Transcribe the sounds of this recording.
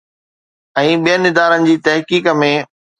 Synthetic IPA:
ɛ̃ːɓijənɪd̪aːɾənɪ̆d͡ʑiːt̪ɐɦkiːkəmẽ

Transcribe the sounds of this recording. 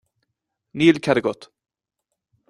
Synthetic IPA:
niːlkʰaɾɡɔt̪

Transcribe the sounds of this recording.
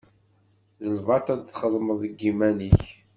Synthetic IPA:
ðəlvɑt̪æðθχəðˤməðˤəɡːimæniç

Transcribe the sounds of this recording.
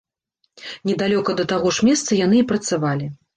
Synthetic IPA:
nʲɛd̪alʲɔkɐd̪ɐt̪aɣɔʂmʲɛst̪sɐjan̪ɨipɾɐt̪savalʲi

